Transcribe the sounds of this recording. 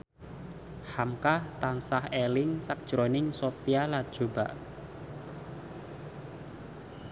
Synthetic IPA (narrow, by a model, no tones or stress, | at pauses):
hamkaht̪ansahelɪŋsak̚d̥ʒ̥ɾonɪŋsopialḁʒ̥o̤ba̰ʔ